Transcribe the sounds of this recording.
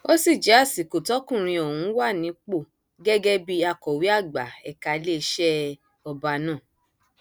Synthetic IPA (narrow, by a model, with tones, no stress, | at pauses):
o˦si˦˨d͡ʒɛ˨˦a˦˨si˨ko˨tɔ˨˦kũ˦˨ɾ̃ĩ˧ɔ˨hũ˨˧˦wa˦˨nĩ˨˦k͡po˦˨ | ɡɛ˦ɡɛ˦bi˦a˧kɔ˨wi˨˦a˦˨ɡ͡ba˨ɛ˨ka˧le˦˧˦ʃɛ˦ | ɔ˧ba˧nãː˦˨